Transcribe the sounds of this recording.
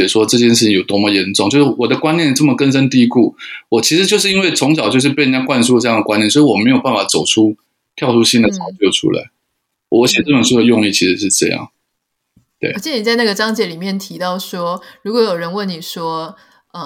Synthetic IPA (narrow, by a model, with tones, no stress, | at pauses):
ɛ˨˩ʂwɔ˥ʈ͡ʂɤ˥˧t͡ɕjɛ˥˧nʂɻ̩˥˩t͡ɕʰi˩˥ŋjo˨˩ʊt̪wɔ˥mɔ˨˧˨jɛ˧˥nʈ͡ʂʊ˥˨ŋt͡ɕjo˥˧˩ʂwɔ˨˩d̪ə˦kwa˥njɛ˥˨n˨ʈ͡ʂɤ˥˩mə˩kə˥nʂə˥nt̪i˥˧˥ku˥˩wɔ˨˩t͡ɕʰi˧˥ʂɻ̩˧˥t͡ɕjo˥˧ʂɻ̩˥˧i˥nwe˥˩ɪt͡sʰʊ˧˥ŋɕɑ˨˩ʊt͡ɕjo˥˧ʂɻ̩˥˩pɻə˧˦nt͡ɕja˥kwa˥˧nsu˥˧ʈ͡ʂɤ˥˧jɑ˥˩ŋd̪ə˩kwa˥nɛ˥˨nswɔ˧˥i˨wɔ˨˩me˧˥ɪjo˨˩ʊpa˥˩n˩fa˨˩t͡so˨˩ʊʈ͡ʂʰu˥ | t̪ʰjɑ˥˧ʊʈ͡ʂʰu˥ɕi˥nd̪ə˨t͡sʰɑ˧˥ʊt͡ɕjo˥˩ʊʈ͡ʂʰṵ˥la̰˧˥ɪ | wɔ˧˦ɕjɛ˨˩ʈ͡ʂɤ˥˩ə˨˩nʂu˥d̪ə˩jʊ˥˧ŋli˥˩t͡ɕʰi˧˥ʂɻ̩˧˥ʂ̬ɻ̩˥˧ʈ͡ʂɤ̰˥˧jɑ̰˥˩ŋ | t̪wḛ˥˩ɕi˥ni˨˩t͡sa˥ɪna˥˩ɡə˩ʈ͡ʂɑ˥ŋt͡ɕjɛ˧˥li˨˩mjɛ˥˩nt̪ʰi˧˥t̪ɑ˥˩ʊʂwɔ˥ɻu˧˥kwɔ˧˥jo˨˩ʊɻə˧˥nwə˥˩ni˨˩ʂwɔ˥ | ə˧